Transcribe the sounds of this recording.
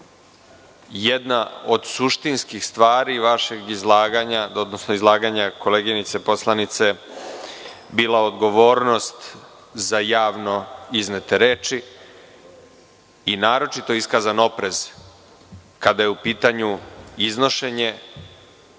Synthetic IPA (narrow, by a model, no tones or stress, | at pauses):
jed̪naod̪suʃt̪inskixst̪ʋaːɾiʋaʃe̞ɡizlˠaːɡaɲaod̪nosnoizlˠaːɡaɲako̞leːɡinit̪se̞po̞slˠanit̪se̞ | biːlˠaod̪ɡo̞ʋoːɾno̞st̪ | zajaːʋno̞iznet̪e̞ɾeːt͡ʃi | inaːɾo̞t͡ʃit̪o̞iskazano̞pɾe̞z̥ | kad̪ajeupiːt̪aɲuizno̞ʃe̞ɲe̞